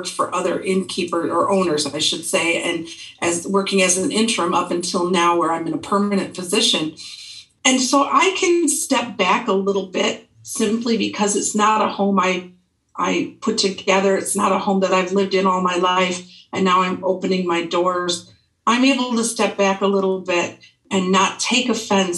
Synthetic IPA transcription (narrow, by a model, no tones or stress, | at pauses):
ktfə̰˞ʔʌðə̰˞ʔɪ̃nkʰipə˞zə˞ʔõʊ̃nə˞zaɪʃɨd̥seɪɨ̃n | ʔɨzwɜ˞kɪ̃ŋɨzɨ̃n̩ɪ̃ntɹ̥ɨ̃mʌpɨ̃n̩tʰɪlˠnaʊwə˞ãɪ̃mɨ̃nəpʰɜ˞mɨnɨ̃npʰɨzɪʃɨ̃n | ɨ̃nsoʊʔaɪkʰɨ̃nstɛp̚b̥ækəlɪɾl̩ˠbɪt̚ | sɪ̃mplibɨkʰʌzɨtsnəɾəhõʊ̃maɪ | ʔa̰ɪpʰʊtʰɨɡɛðə˞ɨtsnəɾəhõʊ̃mðɨɾaɪvlɪvdɨ̃nɔlˠmaɪlaɪfɨ̃nːaʊãɪ̃moʊpɨnɪ̃ŋmaɪdɔɹz | ʔãɪ̃meɪbl̩ˠtəstɛp̚b̥ækəlɪɾl̩ˠbɪɾ | ʔɨ̃nːətʰeɪkɨfɛ̃ns